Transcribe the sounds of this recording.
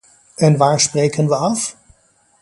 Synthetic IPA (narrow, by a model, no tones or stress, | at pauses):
ɛnʋaːɹsprejkənʋəɑf